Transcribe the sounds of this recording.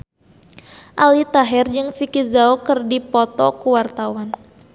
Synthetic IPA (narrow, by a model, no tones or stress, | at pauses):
ʔalit̪aɦɛrd͡ʒɨŋfikizaokɨrdipɔt̪ɔkuwart̪awan